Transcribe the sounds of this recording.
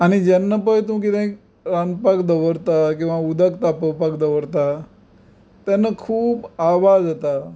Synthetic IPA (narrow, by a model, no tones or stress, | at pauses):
anid͡ʒənːəpət̪ũkid̪ãĩk | ɾanpakd̪əʋəɾt̪akĩʋãud̪əkt̪apəpakd̪əʋəɾt̪a | t̪enəkʰuːbaʋad̪ɦət̪a